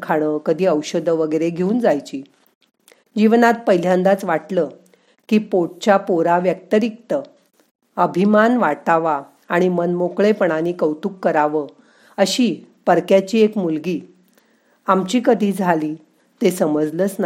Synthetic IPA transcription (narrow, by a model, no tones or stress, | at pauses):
kʰaɽ̃əkəd̪ʱiːəwɕəd̪ʱəʋəɡəjɾeɡʱeuːnd͡zajt͡ɕiː | d͡ʑiʋnat̪̚pəjljãnd̪at͡sʋaʈləː | kiːpoʈ̚t͡ɕapoɾaʋjək̚t̪əɾik̚t̪ə | əbʱimanʋaʈaʋaː | ɽ̃imənmokɭepəɳaniːkəwt̪uːkːəɾaʋə | əɕiːpəɾkjat͡ɕiːekmulɡiː | amt͡ɕiːkəd̪ʱiːd͡zʱaliː | t̪esəməd͡zlət͡sna